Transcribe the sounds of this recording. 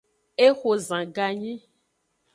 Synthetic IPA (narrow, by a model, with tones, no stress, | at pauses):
e˦xo˨zã˨ɡa˨ɲĩ˦